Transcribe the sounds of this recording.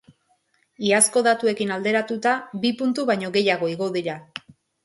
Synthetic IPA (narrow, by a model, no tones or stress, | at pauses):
iasko̞ðat̪ue̞kinald̪e̞ɾat̪ut̪abipunt̪uβajɲo̞ɣe̞jaɣ̞o̞iɣo̞ðiɾa